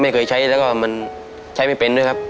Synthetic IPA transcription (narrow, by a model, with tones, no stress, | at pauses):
ma˥˩jkʰɤː˧jt͡ɕʰa˦˥jlɛː˦˥wkɔː˥˩ma˧n | t͡ɕʰa˦˥jma˥˩jpe˧ndu˥˩˨jkʰa˦˥p̚